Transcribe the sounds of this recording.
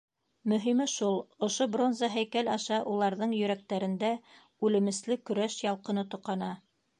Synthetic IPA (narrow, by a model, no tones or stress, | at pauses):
mɵ̆ɦimɘʃulˠŏʃobro̞nzɑɦæjkælɑʃɑʔulˠɑɾðɤɴjɵ̆ɾæk̚t̪æɾɘ̆nd̪æ | ʉlɘ̆mɘ̆slɘkɵ̆ɾæʃjɑlˠqɤ̆nɤt̪ŏqɑnɑ